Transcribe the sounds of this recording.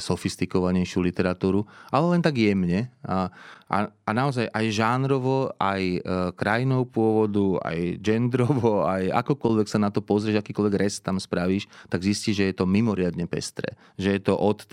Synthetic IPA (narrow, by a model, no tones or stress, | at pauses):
sɔfist̪ikɔʋaɲɛjʃɪulit̪ɛɾat̪uːɾuʔalɛlɛnt̪aɡjɛmɲɛ | ʔa̰anaɔzajʔajʒanɾɔʋɔajkɾajinɔʊpʊɔʋɔd̪ua̰jd͡ʒɛnd̪ɾɔʋɔaja̰kɔkɔlʋɛksanat̪ɔpɔzɾʲɪɛːʒakiːkɔlʋɛɡɾɛst̪amspɾaʋiːʃt̪aɡzisciːʒɛjɛt̪ɔmimɔɾɪad̪ɲɛpɛ̰st̪ɾɛ̰ː | ʒɛjɛt̪ɔʔɔt̪